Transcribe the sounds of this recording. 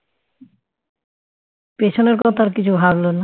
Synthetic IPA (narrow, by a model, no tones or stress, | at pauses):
peʃʰoneɾkɔt̪ʰaɾkit͡ɕʰubʱablona